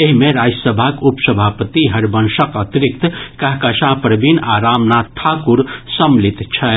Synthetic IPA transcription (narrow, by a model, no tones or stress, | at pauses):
eɦimeɾad͡ʒəsəbʱakupsəbʱapət̪iɦɐɾbənʃəkət̪ɾik̚t̪kɐɦkɐʃãpɾəbinaɾamnat̪ʰakuɾsəmlit̪t͡ʃʰɐ